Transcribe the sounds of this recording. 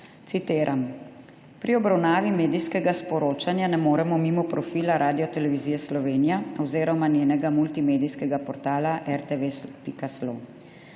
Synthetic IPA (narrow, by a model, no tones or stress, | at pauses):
t̪sit̪eːɾʔam | pɾiɔbɾawnaːʋimeːd̪ijskɛɡaspɔɾoːt͡ʃanjanɛmoːɾɛmɔmimɔpɾɔfiːlaɾʔaːd̪ijɔt̪ɛlɛʋiziːjɛslɔʋeːnijaɔwzeːɾɔmanjeːnɛɡamult̪imeːd̪ijskɛɡapɔɾt̪aːlaʔɛɾt̪eʋespikaslo